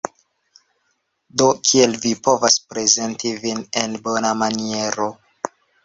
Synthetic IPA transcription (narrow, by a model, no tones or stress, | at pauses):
do̞kʰie̞lvipo̞vaspɾe̞ze̞ntivine̞nbo̞namanie̞ɾo̞